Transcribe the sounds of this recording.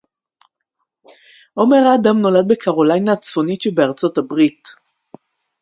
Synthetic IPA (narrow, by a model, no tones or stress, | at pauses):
ʔo̞meʁaːdamno̞lad̪̚bekʰaʁolajnaːt͡sfo̞nitʃebeaʁt͡so̞tabʁit